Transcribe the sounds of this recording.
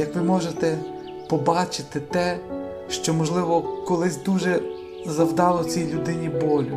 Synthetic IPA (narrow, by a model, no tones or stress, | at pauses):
jɐkʋɪmɔʒet̪ɛ | pɔbɑt͡ʃɪt̪ɪt̪ɛ | ʃt͡ʃɔmɔʒlˠɪʋɔkɔlˠɪsʲd̪uʒɛ | zɐwd̪ɑlˠɔt͡sʲijlʲʊd̪ɪnʲibɔlʲʊ